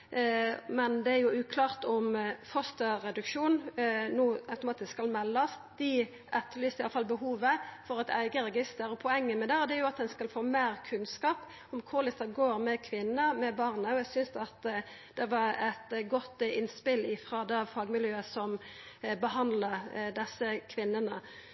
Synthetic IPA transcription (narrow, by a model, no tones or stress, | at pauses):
mɛnd̪ɛæʁjʊʉːkʰlɑːʁt̪ɔmfɔst̪əʁɛd̪ʉkʂuːnnuːɑʉt̪ʊmɑːt̪ɪsskɑlmɛlːɑsd̪ɪ | ʔɛt̪ʰːlyːsɪɑlɑfɑlbəhuːʋəfɔɾɛt̪ʰæ̰ɪɡəɾɛɡɪst̪əɾɔpʰɔɛŋːəmɛd̪ɛɔd̪ɛæɾjʊɑt̪̚d̪ɛnskɑlfoːmeːɾkʰʉnskɑːp | ɔmkʰʊʁlɪst̪əɡoːɾmɛkʰʋɪnːəmɛbɑʁnəɔæɪsʏnsɑt̪ | d̪̥ɛʋɑɾæt̪ɡɔt̪ːɪnspɪlɪfʁɑd̪ɛfɑːɡmɪljøːəsɔm | bəɦɑnd̪ləd̪ɛsːəkʰʋɪnːənə